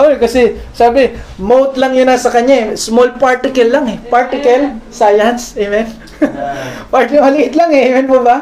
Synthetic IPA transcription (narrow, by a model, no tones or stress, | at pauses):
ʔookɐsɛsaːbɪmowt̪lɐŋjʊnɐsɐkɐɲːaɛsmolpaɹt̪ɪkɐlːaŋɛpaɹt̪ɪkɐlsajɐnsʔɛmɛn | paɹt̪ɪkɐmɐlɪʔɪt̪laŋɛɛmɛnpobɐ